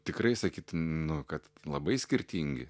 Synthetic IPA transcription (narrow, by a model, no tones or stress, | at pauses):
t̪ʲɪkrɐɪsɐkʲiːt̪nʊkɐt̪lˠɐbɐɪsʲkʲɪɾʲt̪ʲiŋʲɡʲɪ̰